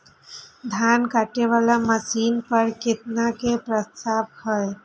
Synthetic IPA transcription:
d̪ʱjankaʈeʋalaməsiːnpəɾkɪt̪̚nakepɾəst̪abhəj

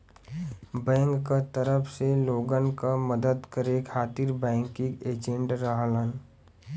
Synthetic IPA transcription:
bɛ̃ːŋkːat̪əɾəpʰseloːɡənkaməd̪əd̪kəɾekʰaːt̪iɾbɛ̃ːŋkĩɡeːd͡ʒẽɳʈɾəɦlən

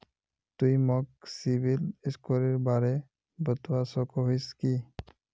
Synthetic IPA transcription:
t̪ujmɔk̚sibʱiliskɔɾiɾbaɾe | bət̪wasɔkɔɦojski

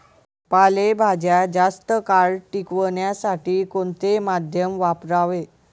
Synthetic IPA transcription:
palebʱad͡ʑjad͡zast̪əkaɭʈikʋəɳjasaʈiːkoɳt̪emad̪ʱjəmʋapɾaʋe

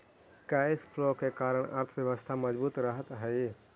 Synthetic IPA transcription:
kaespʰlokekaːɾəɳ̃ə̰ɾt̪ʰəʋjəʋəst̪ʰaməd͡ʒbuːt̪ɾəɦət̪ɦəj

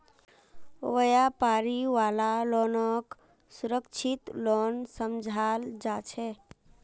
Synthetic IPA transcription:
ojapaɾiʋalalonək | suɾəkt͡ʃʰit̪lonsəmd͡ʒʱald͡ʒat͡ʃʰɛ

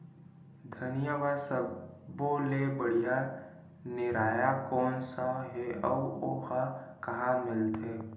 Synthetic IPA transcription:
d̪ʱənijaʋasəboːlebəɽ̤ija | nɪɾaːjakɔːnsaɦɛɔ̰ːo̰kakɐɦãmɪlt̪eː

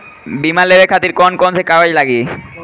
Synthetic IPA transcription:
bimalebekʰat̪iɾkɔnkɔnsekaɡad͡ʑlaɡi

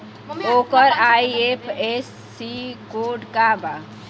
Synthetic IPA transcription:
okəɾajiepʰesːikoɖkaba

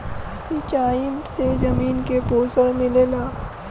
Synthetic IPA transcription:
sit͡ʃaːimsed͡ʒɐmiːnkepoːsəɽmɪlelaː

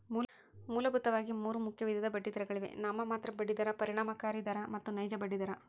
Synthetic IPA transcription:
muː | muːlɐbʱut̪ːɐʋaːɡimuːɾumukʰjɐʋid̪ʱjɐd̪ɐbɐɖːid̪ɐɾɐɡɐɭiʋe̞̰naːmɐmaːt̪ɾɐbɐɖːid̪ɐɾɐpɐɾiɳaːmɐkaːɾid̪ɐɾɐmɐt̪ːunɐjd͡ʒɐbɐɖːid̪ɐɾɐ

